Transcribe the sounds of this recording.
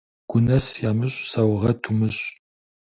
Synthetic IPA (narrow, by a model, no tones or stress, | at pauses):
ɡ̥ʷʊnɐsjaːmɨɕʼsɐwʁɐtʰumɨɕʼ